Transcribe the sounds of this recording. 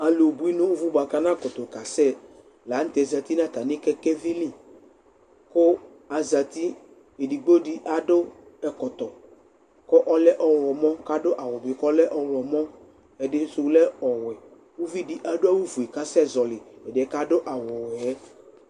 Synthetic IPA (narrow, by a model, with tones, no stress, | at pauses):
a˨lo˨bu˨˦i˦nʊ̃˦wu˦vu˦ba˨ka˨nã˦˨kɔ˨t̪ɔ˨ka˨sɛ˦ | la˨˦n̩˦t̪ɛ˨za˨t̪i˦nã˦˨t̪a˨nɪ̃˦kɛ˦kɛ˦vi˦lĩ˦˨ | ko˦ | a˨za˨t̪i˦ | e˨di˨ɡ͡bo˦di˦ʔa˨dʊ˦ɛ˨kɔ˨t̪ɔ˨ | kɔ˦ʔɔ˦lɛ˦ʔɔ˦wlɔ˨mɔ˦ka˦dʊ˦ʔa˨wɔ˨bɪ˨kɔ˦lɛ˦ʔɔ˨˦wlɔ˨mɔ̃˦ | ɛ˨dɪ˨˦sʊ˨˦lɛ˦ɔ˨wɛ˨ | wu˦vi˦di˦ʔa˨dʊ˦a˦wu˦vu˨e˨ka˦sɛ˦˨zɔ˨lɪ˨ɛ˨dɪ˨ɛ˨˦ka˦dʊ˦ʔa˨wɔ˨wɛ˦